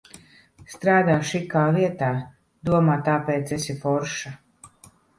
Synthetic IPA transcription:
st̪ɾaːd̪aːʃikaːviɛt̪aː | d̪uɔmaːt̪aːpɛːt̪sɛsifɔɾʃa

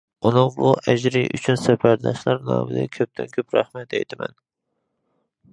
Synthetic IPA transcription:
unɨŋbuʔɛd͡ʒɾiʔy̰t͡ʃʰynsɛfæɾd̪ɑʃlˠɑɾnɑ̰ːvɪd̪ɛkʲʰøp̚t̪ʰɛnkʲʰøpɾæχmɛt̪ɛ̰jt̪ɪmɛ̰n

